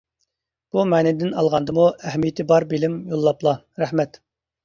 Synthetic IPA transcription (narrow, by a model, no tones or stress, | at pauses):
b̥umɛːnɪd̪ɪnɑ̰lˠʁɑnd̪ɨmuæhmijɪt̪ʰɪbɑɾbɪlɪmjolˠːɑplˠɑ | ɾæhmɛt̪